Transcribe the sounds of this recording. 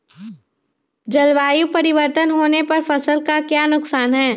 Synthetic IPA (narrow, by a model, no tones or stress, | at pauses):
d͡ʒɐlʋaːjupɐɾɪʋəɾt̪ənɦoːnepɐɾfɐsəlkakjaːnʊksaːnɦɛː